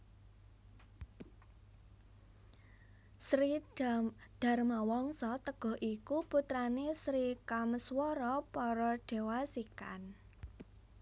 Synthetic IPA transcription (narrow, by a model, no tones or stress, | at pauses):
sɾidɖ̥a̤rmawɔŋsɔt̪əɡ̥ɔ̤ɦʔikuput̪ɾanesɾikaməswɔɾɔpɔɾɔɖ̥e̤wasika̰n